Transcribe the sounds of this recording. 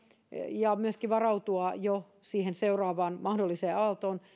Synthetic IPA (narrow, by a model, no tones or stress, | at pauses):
jɑmyøskiʋɑrɑut̪uɑjo | siːhenseurɑːʋɑːnmɑhdolːiseːɑlt̪oːn